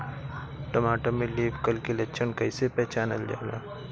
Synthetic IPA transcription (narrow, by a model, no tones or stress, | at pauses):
ʈɐmaːʈomẽliːbkɐlkelɐt͡ʃʰənkɐɪsepɛːt͡ʃaːnɐld͡ʒa̰ːla̰ː